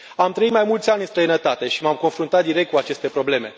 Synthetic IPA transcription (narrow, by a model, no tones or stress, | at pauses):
amt̪ɾəit̪majmult̪sʲanʲɨnst̪ɾəjnət̪at̪e̞ʃimamko̞nfɾunt̪at̪̚d̪iɾe̞k̚t̪kuat͡ʃe̞st̪e̞pɾo̞ble̞me̞